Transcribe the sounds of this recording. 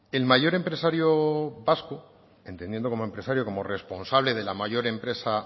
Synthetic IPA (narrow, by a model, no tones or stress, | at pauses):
e̞lmaʝo̞ɾe̞mpɾe̞saɾjoβasku | e̞nt̪e̞nje̞nd̪oko̞moe̞mpɾe̞saɾjo̞ko̞mo̞re̞spo̞nsaβleðe̞lamaʝo̞ɾe̞mpɾe̞sa